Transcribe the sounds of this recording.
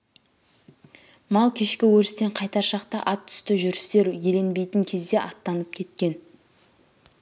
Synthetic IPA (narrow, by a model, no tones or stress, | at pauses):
mɑlˠkʲʰe̞ʃkʲɪwɵɾɪst̪e̞ɴqʰɑjt̪ɑɾʃɑqt̪ɑʔɑt̪ʰːʏ̥st̪ɪʒʏɾɪst̪e̞ɾjele̞nbe̞jt̪əŋkʲʰe̞zd̪e̞ʔɑt̪ːɑnəp̚kʲʰe̞t̪kʲe̞n